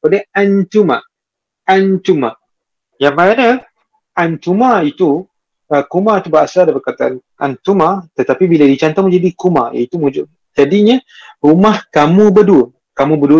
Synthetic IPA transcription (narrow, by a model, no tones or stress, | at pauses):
kəpadəant̪uma̰ | ant̪umã | jaŋmana | ant̪umait̪u | əkumat̪ubaasadapəkat̪aʔan | a̰nt̪umat̪ət̪apibiladit͡ʃant̪ɔmũd͡ʒadikuma̰ja̰it̪umud͡ʒ | d͡ʒadiɲa | ɾumahkamũbəduə | kamũbəduə